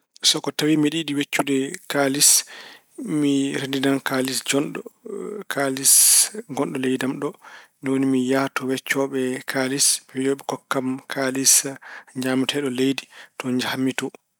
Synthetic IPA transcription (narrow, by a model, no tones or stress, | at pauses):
sɔkɔtawimiɗiɗiwet͡ʃːudɛkalis | miɾendinankalisd͡ʒɔnɗɔ̰kʰalisɡɔnɗɔlɛjdamɗɔnwnimijatɔwɛt͡ʃːɔɓɛkʰalismɛjɔɓɛkɔkːamkʰalisɲamtʰɛɗɔlejditɔɲd͡ʒahamːitɔ